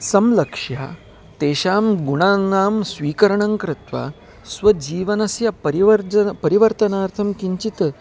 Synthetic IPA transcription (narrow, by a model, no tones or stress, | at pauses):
sɐmlɐkʂja̰ | t̪eːɕaːmɡuɳ̃anaːmsʋiːkɐɾɐɳɐŋkɾɪt̪ʋa̰ | sʋɐd͡ʑiːʋɐnɐsjapɐɾiʋɾɐpɐɾiʋɐɾt̪ɐnaːɾt̪ʰɐmkiɲt͡ɕit̪